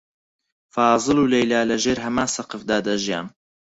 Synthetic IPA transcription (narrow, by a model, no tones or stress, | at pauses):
fɑːzˤɨluːlɐjlaːlɐʒeːɾɦɐmaːsɐqɨfd̪aːd̪ɐʒija̰ːm